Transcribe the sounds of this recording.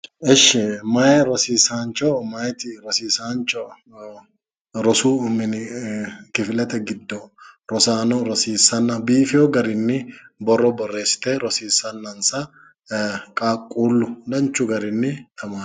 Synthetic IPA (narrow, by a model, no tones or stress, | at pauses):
ɛʃːɪmɐjɛɾɔsiːsaːnt͡ʃʼɔmɐjt̪ɪɾɔsiːsaːnt͡ʃʼɔ | ɾɔsuːmɪnɪkɪfɪlɛt̪ɛɡɪd̪ːɔɾɔsaːnɔɾɔsiːsːɐnːɐbiːfɪjɔɡɐɾɪnːɪbɔrːɔbɔrːe̞ːsɪ̥t̪eːɾɔsiːsːɐnːɐnsɐ | kʼaːkʼːuːlːʊlɐnt͡ʃːʊɡɐɾɪnːɪt̪ɐmaː